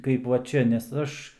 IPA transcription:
kɐɪp ʋɐ ˈt͡ʃʲɛ nʲɛs ˈɐʃ

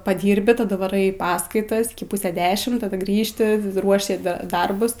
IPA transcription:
pɐˈdʲiːrʲbʲɪ tɐˈdɐ ʋɐˈrɐɪ ɪ ˈpɑːskɐɪtɐs ˈɪkʲɪ ˈpuːsʲɛ ˈdʲæːʃʲɪm tɐˈdɐ ˈɡrʲiːʃʲtʲɪ ˈruɔʃʲɪ ˈdɐ ˈdɐrbʊs

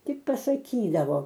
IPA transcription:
ˈtʲɪk pɐsɐˈkʲiːdɐʋoː

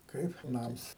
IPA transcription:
ˈkɐɪp ˈnɐms

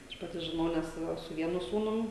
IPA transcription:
ˈɐʃ pɐˈtʲɪ ʒʲɪˈnɐʊ nʲɛs ˈʋɐ sʊ ˈʋʲiɛnʊ ˈsuːnʊm

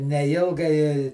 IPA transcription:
nʲɛˈɪlˠɡɐɪ

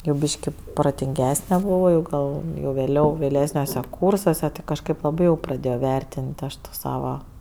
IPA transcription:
jɛʊ ˈbʲiːʃʲkʲɪ proːtʲɪŋʲˈɡʲæːsʲnʲɛ bʊˈʋɐʊ ˈɡɐlˠ jɛʊ ʋʲeːˈlʲɛʊ ʋʲeːˈlʲæːsʲnʲuɔsʲɛ ˈkuːrsuɔsʲɛ tʲɪ kɐʃˈkɐɪp lˠɐˈbɐɪ jɛʊ prɐˈdʲeːjoː ˈʋʲɛrʲtʲɪnʲtʲ ˈɐʃ toː ˈsɑːʋɐ

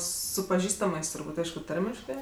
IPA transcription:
ˈsʊ pɐˈʒʲiːstɐmɜs tʊrˈbuːtʲ ˈɐɪʃkʊ ˈtɐrʲmʲɪʃkɜ

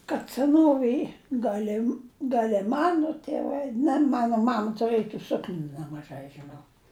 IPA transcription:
kɐt sʲɛˈnoːʋʲeːj ˈɡɐlʲ ɪ ɡɐlʲ ɪ ˈmɑːnoː tʲeːˈʋɐɪ nʲɛ ˈmɑːnoː ˈmɐm tʊˈrɘj ɪ ˈsʊknʲuː nʲɛmɐˈʒɐɪ ʒʲɪˈnɐʊ

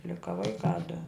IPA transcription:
ˈlʲɪkɐ ˈʋɐɪkɑː dʊ

